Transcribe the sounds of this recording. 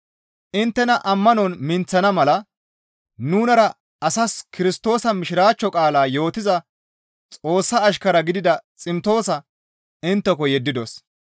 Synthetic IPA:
ʔɪnt̪ːɛnɐʔɐmːɐnɔnmɪnt͡sːɐnɐmɐlɐ | nuːnɐɾɐ | ɐsɐskɪɾɪst̪o̞ːsɐmɪʃɪɾaːt͡ʃːɔkʼaːlaːjo̞ːt̪ɪzɐ | t͡sʼo̞ːsːɐːʃ̬kɐɾɐɡɪd̪ɪd̪ɐt͡sʼɪmt̪o̞ːsɐ | ɪnt̪ːɛkɔjɛd̪ːɪd̪os

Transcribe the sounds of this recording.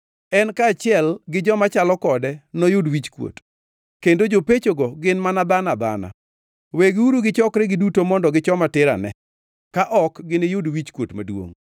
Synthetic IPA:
ɛnkaːt͡ʃɪɛlɡɪd͡ʒɔmat͡ʃalɔkɔdɛnojʊdwit͡ʃkwo̰t | kendod͡ʒopet͡ʃoɡɔɡɪnmanabanaba̰na̰ | weɡɪuɾuɡɪt͡ʃɔkɾɛɡɪdutomɔndɔɡɪt͡ʃɔmatɪɾa̰nɛ̰ | kaʔɔkɡɪnɪjʊdwit͡ʃkwotmadwo̰ŋ

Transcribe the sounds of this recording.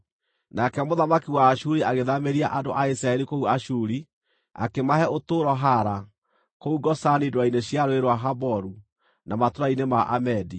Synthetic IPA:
nakɛmoðamakiwaːʃuɾiaɣeðameɾiaʔandoʔaisɾaɛɾikouaʃuɾi | a̰kemaɦɛotoːɾɔɦaɾa | kouɡɔsanidwaineɕjaɾoeɾwaɦabɔɾu | namatoɾainemaʔamɛdi

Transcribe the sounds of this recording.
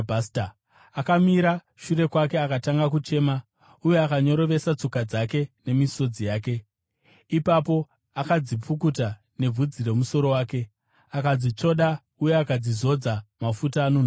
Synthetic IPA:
bʱasta | akamiɾa | ʃuɾe̞kwake̞akataŋɡak̬ut͡ʃe̞ːma | uje̞akaɲo̞ɾo̞ʋe̞sat͡so̞kad͡zake̞ne̞miso̞d͡zijaːke̞ | ipapo̞ | akad͡zip͡fukuta | ne̞b͡vʱud͡zire̞muso̞ɾo̞waːke̞ | akad͡zit͡ʂo̞ɗa | uje̞akad͡zizo̞d͡zamafutaːno̞n

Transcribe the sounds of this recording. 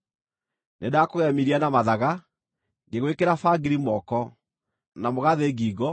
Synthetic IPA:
nʔedakoɣɛmiɾianamaðaɣa | neɣwekeɾafaɡiɾimɔkɔ | namoɣaðeɣiːɣɔ

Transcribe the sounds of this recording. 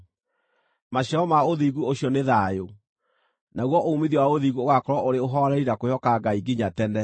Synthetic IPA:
maɕɔɔmaoðiɣuoɕjɔneðaːjo | naɣwɔʔoumiðjiwaoðiɣuoɣakɔɾɔʔoɾeoɦɔɾɛɾiɾakojɔkaɡaiɡiɲatɛndɛ

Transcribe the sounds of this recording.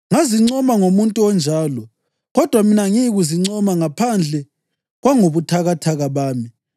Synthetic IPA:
ŋaziŋ͡ǀɔmaŋomuntʼuɔnd͡ʒʱaːlɔ | ɣɔd̥ʱwaminaŋiɣuziŋ͡ǀɔmaŋapʰand͡ɮʱɛ | ɣwaŋoβutʰaɣatʰaɣaβaːmi

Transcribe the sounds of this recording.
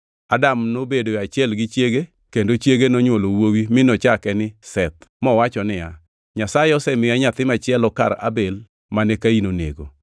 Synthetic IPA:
adamnobedoat͡ʃjɛlɡɪt͡ʃjeɡe | kendot͡ʃjeɡenɔɲwolowowimɪnɔt͡ʃakɛnɪsɛt̪̚mɔwat͡ʃɔnɪa | ɲasaɛɔsɛmɪaɲat̪ɪmat͡ʃɪɛlɔka̰ɾa̰bel | manɛkainonḛɡo

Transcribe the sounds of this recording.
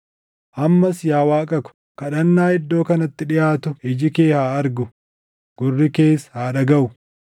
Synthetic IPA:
ʔɐmːɐsjaːwaːkʼɐkʊ̥ | kɐɗɐnːaːhɪd̪ːo̞ːkɐnɐt̪ːɪᶑɪʔaːt̪ʊɪd͡ʒɪke̞ːhaːɐɾɡʊ | ɡ̥ʊrːɪke̞ːshaːᶑɐɡɐʔʊ

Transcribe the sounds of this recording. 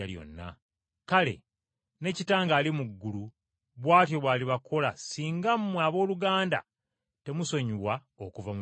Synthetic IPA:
aljo̞̰nːa̰ | kale̞̰ | ne̞citaːŋɡaːlimuɡːulu | βwaːtjo̞βwaːliβakʰo̞lasiːŋɡammːwaβo̞ːluɡaːnda̰ | te̞muso̞ɲuβwa | okuvamu

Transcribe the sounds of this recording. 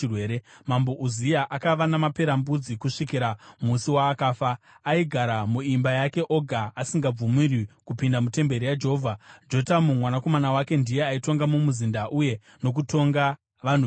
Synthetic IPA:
rweːɾemambo̞ʔuzijaʔakaʋanamape̞ɾambud͡zikuʂikiɾamusiwaːkaːfaː | iɡʱaɾamuimbajake̞ʔoɡʱaasiŋɡab͡vumirikupindamute̞mbe̞ɾijad͡ʒe̞ɦovʱad͡ʒo̞tamumwanako̞manawake̞ndije̞aito̞ŋɡamumuzindaʔuje̞ | no̞k̬uto̞ŋɡa | ʋan̤u

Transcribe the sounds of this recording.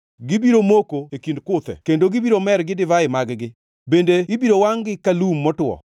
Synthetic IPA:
ɡɪbiɾomokoekindkʊt̪ɛ̰kendoɡibiɾomɛɾɡɪdɪvaɪmaɡɡɪ | bendeibiɾowaŋɡɪkalumːɔtʊwɔ̰

